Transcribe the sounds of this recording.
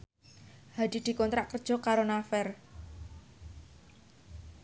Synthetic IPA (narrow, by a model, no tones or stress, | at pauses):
had̪̥i̤d̪̥i̤kɔnt̪ɾaʔkərd̥ʒ̥ɔ̤kaɾonafɛr